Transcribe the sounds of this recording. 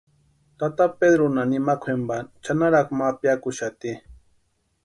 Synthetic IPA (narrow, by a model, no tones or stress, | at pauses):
t̪at̪aped̪ɾonanimakʰʷwembant͡ʃanaɾaχmapjakʊʃat̪i